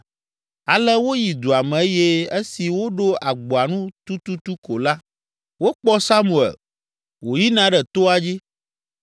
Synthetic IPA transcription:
a˨lɛ˦wo˦ji˨d̪o˨a˨mɛ̃˨˦je˦e˦si˨wo˦ɖo˦a˨ɡ͡bo˨a˨nũ˦t̪u˦t̪u˦t̪u˦ko˨la˦ | wo˦k͡pɔ˦sa˦mu˨ɛ̰˨l | wo˨ji˦nã˦ɖɛ˨t̪o˦a˨d͡ʑi˦

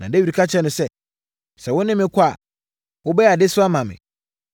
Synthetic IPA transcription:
nã˨de˦ɥi˨ɾi˨kʰa˦t͡ɕʰɛ˦nʊ̃˨sɛ˦ | sɛ˨wʊ˦nɪ̃˦mɪ̃˦kʰʊ˦a˨ | wʊ˦bɛ˦a˨dɪ˦sʊ˦a˦mã˨mɪ̰̃˨

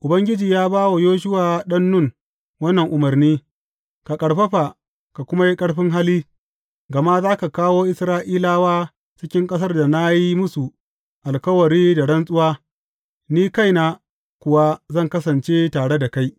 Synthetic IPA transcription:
ʔʊ˨bɐ˦ŋɡʲɪ˦d͡ʒiː˨jaː˦baː˦wo˨joː˦ʃ̬ʊ˦waː˨ɗɐ˦nːʊ˦˨ŋ | wɐ˦nːɐ˨ŋʔʊ˨mɐ˨rniː˦ | ka˨kʼɐ˨ɽɸɐ˦ɸa˨ | ka˨kʷʊ˦ma˦ji˦kʼɐ˦ɽɸɪ˦ŋɦa˦liː˦ | ɡɐ˨ma˦zaː˦ka˨kaː˦woː˦ʔɪ˦˨sɾaː˦ʔiː˦laː˦waː˦ | t͡ʃɪ˦kʲɪ˦ŋkʼɐ˦s̬ɐ˦rda˨na˦ji˦mʊ˦su˨ | ʔa˨lkɐ˦wɐ˨ɽiː˦da˨ɽɐ˦nsʼʊ˦waː˦ | niː˦ka˦jna˨ | kʷʊ˨wa˦zɐ˦˨ŋkɐ˦sɐ˨nt͡ʃe˦taː˨ɽe˦da˨ka˦j

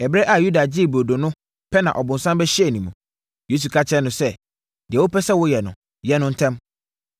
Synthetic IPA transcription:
ɛ˨bɾɛ˦ʔa˨ju˦da˨d͡ʑi˦˨bo˨do˨nʊ̃˦ | pʰɛ˦nã̰˨ʔɔ˨bʊ̃˨n˨sã˦mbɛ˦ɕɪ˦ɛ˨nĩ˨mũ˨ | je˦s̬u˨kʰa˦t͡ɕʰɛ˦nʊ̃˨sɛ˦ | d̥ɪ˨ɛ˨wo˦pʰɛ˦sɛ˦wʊ˦jɛ˨nʊ̰̃˨ | jɛ˦nʊ̃˦n̩˦tʰɛ̃˦m

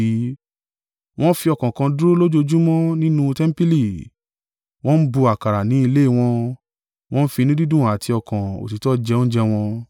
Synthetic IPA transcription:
w̃ɔ̃˦fi˧ɔ˧kã˨kã˧du˦ɾo˦lo˦d͡ʒo˧d͡ʒu˦mɔ̃˦nĩ˦nũ˧tɛ˦m̩˦pi˦li˦˨ | w̃ɔ̃˦n̩˦bu˧a˨ka˨ɾa˨nĩ˨˦i˧le˦i˦˨w̃ɔ̃˧ | w̃ɔ̃˦n̩˦fi˧nĩ˦di˦dũ˦˨a˨ti˧ɔ˧kã˨o̰˨ti˨tɔ˦d͡ʒɛ˧õ˦n̩˦d͡ʒɛ˧w̃ɔ̃˧

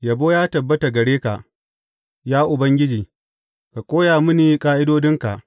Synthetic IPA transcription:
jɐ˨boː˦jaː˦tɐ˨bːɐ˦ta˨ɡɐ˨ɽeː˦ka˨ʔ | jaː˦ʔʊ˨bɐ˦ŋɡʲɪ˦d͡ʒiː˨ | ka˨kʷʼoː˦jaː˨mɪ˦niː˨˦kʼaː˦ʔɪ˦doː˦dɪ˦ŋka˨ʔ

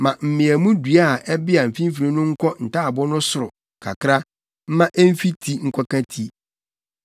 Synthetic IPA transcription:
mã˨m̩˨mɪ̃˨æ˨mũ˦dɥa˦a˨ʔɛ˦bɪ˦a˨m̩˨fĩ˦m˦fi˨ɾĩ˦nʊ̃˦ŋ̩˦kʰɔ˦n̩˨ta˦a˨bɔ˦nʊ̃˦sʊ˨ɾʊ˨ | kʰa̰˨kʰɾa˦ | m̩˦mã˦ʔɛ˦m̩˦fi˦tʰi˦ŋ̩˦kʷʰa˦kã˦tʰi˦

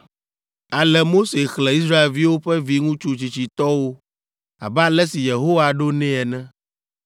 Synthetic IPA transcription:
a˨lɛ˨mo˦se˨xlɛ̃˨i˦s̬ɾa˦e˨lvi˦wo˦ɸɛ˦vi˦ŋũ˦t͡ʃu˦t͡ʃi˨t͡ɕi˨t̪ɔ˦wo˦ | a̰˨bɛ˦a˨lɛ˦si˨je˨ɦo˦wa˨ɖo˦nɛ̃˦ɛ˨nɛ̃˦

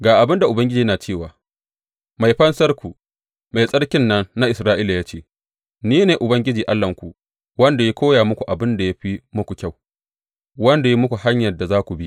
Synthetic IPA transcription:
ɡaː˨ʔa˨bɪ˦nda˨ʔʊ˨bɐ˦ŋɡʲɪ˦d͡ʒiː˨˦naː˨t͡ʃeː˦˨waː˨ | ma˨jɸɐ˦nsɐ˦rkʷu˨ | ma˨jsʼɐ˦ɽkʲɪ˦nːɐ˦nːa˦ʔɪ˨sɾaː˦ʔiː˦la˨jaː˦t͡ʃeː˦ | niː˦neː˨ʔʊ˨bɐ˦ŋɡʲɪ˦d͡ʒiː˨ʔa˦lːɐ˨ŋkʷu˨ | wɐ˦nda˨ja˦kʷoː˦jaː˨mʊ˦kʷu˨ʔa˨bɪ˦nda˨ja˦ɸi˦mʊ˦kʷu˨kʲa˦˨w | wɐ˦nda˨ji˦mʊ˦kʷu˨ha˦ɲjɐ˨da˨zaː˦kʷu˨bi˦

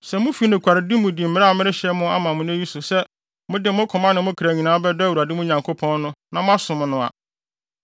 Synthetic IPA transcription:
sɛ˨mʊ̃˦fi˨˦nʊ̃˨kʷʰa˨ɾɪ˨di˦mʊ̃˨di˨m̩˨mɪ̃˦ɾa˦˨mɪ̃˦ɾɪ˦ɕɛ˦mʊ̃˦a̰˦mã˨mʊ̃˦n˦e˦ji˦sʊ˨sɛ˦ | mʊ̃˦dɪ˨mʊ̃˦kʰɔ̃˨mã˦nɪ̃˨mʊ̃˦kʰɾæ˨ɲĩ˨nãː˨˦bɛ˦dɔ˦wu˨ɾa˨dɪ˦mʊ̃˦ɲã˨ŋkʰo˦pʰɔ̃˦nnʊ̃˦nã˨mʊ̃˦a˦sʊ̃˨mʊ̃˨nʊ̃˨a̰˨

